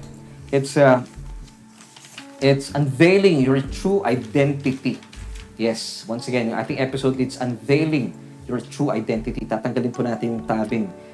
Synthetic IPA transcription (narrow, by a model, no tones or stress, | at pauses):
ʔɪt̪sɐ | ʔɪt̪sɐ̃nvejlɪ̃ŋjɔɹt̪ɹuʔajd̪ɛ̃nt̪ɪt̪ijɛswɐ̃nsɐɡɛ̃njʔa̰jt̪ɪ̃ŋʔɛpɪsowd̪ɪt̪sɐ̃nvejlɪ̃ŋ | jɔɹt̪ɹuʔɐ̰jd̪ɛ̃nt̪ɪt̪it̪aːt̪ɐŋɡɐlɪnpʊnaːt̪ɪnjʊŋt̪aːbɪŋ